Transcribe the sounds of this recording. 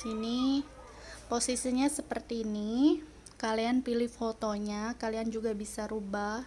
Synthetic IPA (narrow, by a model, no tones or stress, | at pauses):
sini | posisiɲasəpərt̪iːni | kalianpilɪfot̪oɲakaliand͡ʒuɡabisaɾubah